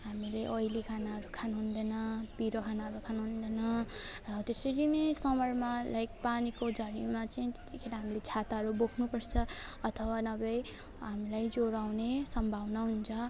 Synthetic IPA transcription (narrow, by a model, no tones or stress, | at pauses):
ɦamileʔʌjlikʰanaɦʌɾukʰanɦund̪ʌnʌbiɾokʰanaɦʌɾukʰanɦund̪ʌnʌrʌt̪esʌɾinʌsʌmʌrmalajkpanikod͡zʱʌɾimat͡saĩt̪e̥t̪ikʰeɾaɦamilet͡sʰat̪aɦʌɾubokʰnupʌrt͡sʰʌʌt̪ʰʌwanʌbʌj | ɦamilajd͡zoɾawnesʌmbʱawnʌɦunt͡sʰʌ